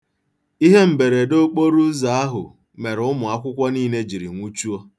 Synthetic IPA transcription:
i˦ɦe˦m̩˨be˨ɾe˨do˦k͡po˦ɾu˦za˨a˦ɦʊ̰˨ | me˨ɾʊ˦mʊ˨a˦kʷʊ˦kʷɔ˦niː˦ne˦d͡ʒi˨ɾḭ˨ŋʷu˦t͡ʃu˦ɔ˦

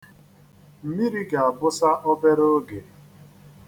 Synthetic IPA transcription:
m̩˨mi˦ɾi˦ɡa˨a˨bʊ˦sa˦ʔɔ˦be˦ɾo˦ɡe˨

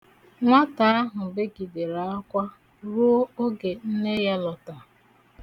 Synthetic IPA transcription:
ŋʷa˦ta˨a˦ɦʊ˨be˦ɡi˨de˨ɾa˨a˦kʷa˦ | ɾu˦o˦o˦ɡe˨n̩˦ne˦ja˦lɔ˨ta˨

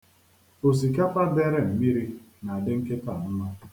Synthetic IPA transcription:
o˨s̬i˨ka˦pa˦de˦ɾe˦m̩˨mi˦ɾi˦ | na˨a˨dɪ˦ŋ̩˦ke˦pa˨n̩˦ma˦

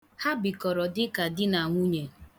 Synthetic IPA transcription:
ha˦bi˨kɔ˨ɾɔ˨dɪ˦ka˨dɪ˦na˨ŋʷu˦ɲe˨

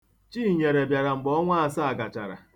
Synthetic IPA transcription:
t͡ʃiː˦˨ɲe˨ɾe˨bja˨ɾa˨ŋ͡m̩˨ɡ͡bɔ˦ŋʷa˦a˦˨sa˦a˨ɡa˨t͡ʃa˨ɾa̰˨

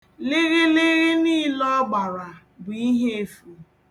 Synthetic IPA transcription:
lɪ˦ɣɪ˦lɪ˦ɣɪ˦ni˦˨lɔ˦ɡ͡ba˨ɾa˨ | bʊ˨i˦ɦe˦e˦˨fu˨

